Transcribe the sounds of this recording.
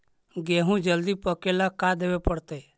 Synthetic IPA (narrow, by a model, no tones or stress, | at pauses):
ɡeːɦũd͡ʒəld̪ipəkelakad̪eːʋepəɽt̪eː